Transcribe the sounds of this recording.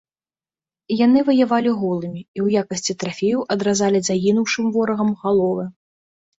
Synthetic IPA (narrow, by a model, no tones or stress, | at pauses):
janɨvɐjavalʲiɣɔlˠɨmʲiiwjakɐsʲt͡sʲit̪ɾafʲejuwʔɐd̪ɾazalʲizaɣʲinuwʂɨmvɔɾɐɣɐmɣalˠɔvɨ